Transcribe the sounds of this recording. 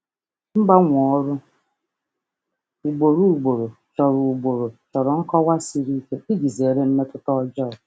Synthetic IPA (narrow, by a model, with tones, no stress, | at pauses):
m̩˦ɡ͡ba˦ŋʷɔ˨˦ɾʊ˦ | u˨ɡ͡bo˨ɾu˦u˨ɡ͡bo˨ɾo˨t͡ʃɔ˨ɾu˨u˨ɡ͡bo˨ɾo˨t͡ʃɔ˨ɾɔ˨ŋ̩˦kɔ˦wa˦si˦ɾi˦ke˦i˦ɡi˨ze˨ɾe˦m̩˦me˦kʊ˦tɔ˦d͡ʒɔ˦˨